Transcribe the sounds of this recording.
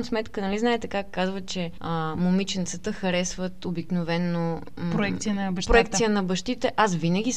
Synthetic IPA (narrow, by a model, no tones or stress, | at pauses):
msmɛt̪kənɐliznaɛt̪ɛkakːazvət͡ʃɛəmomit͡ʃɛnt̪sət̪əxɐɾɛsvət̪obiknovɛnːo | pɾoɛkkt̪sijənɐbɐʃpɾoɛkt̪ijənɐbɐʃt̪it̪ɛʔasvinəɡ̟ʲi